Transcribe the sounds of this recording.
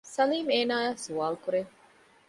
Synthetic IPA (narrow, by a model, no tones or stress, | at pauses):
sɐliːmeːnaːjaːsuaːlkuɾeŋ